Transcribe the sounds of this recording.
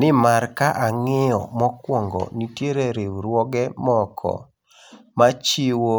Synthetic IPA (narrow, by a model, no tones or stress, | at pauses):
nɪmaɾkaʔaŋɪɔ̰mɔkwɔŋɡɔ̰nitjeɾeɾewɾwɔɡɛmɔkʰɔ̰ | mat͡ʃiwo